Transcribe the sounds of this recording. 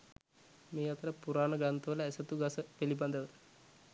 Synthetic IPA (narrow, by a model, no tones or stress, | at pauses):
meːat̪əɾəpuɾaːnəɡant̪əʋələæsət̪uɡasəpeliband̪əʋə